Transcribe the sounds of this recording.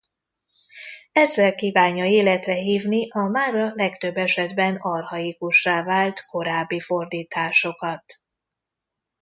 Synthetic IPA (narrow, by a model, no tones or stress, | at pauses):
ɛzːɛlkiːvaːɲːɒeːlɛt̪rɛɦiːvniʔɒmaːrːɒlɛkt̪ø̞bːɛʃɛd̪bɛnɒrhɒikuʃraːvaːlt̪ko̞ɾaːbːifo̞rd̪iːt̪aːʃo̞kɒt̪